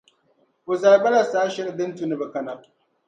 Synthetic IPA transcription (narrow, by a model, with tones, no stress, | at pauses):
bʊ˨za˨˦bɐ˦la˨saː˦ʃɪ˦ɾdɪ˦n˦tu˨ni˦˨bɐ˨kɐ˦na˨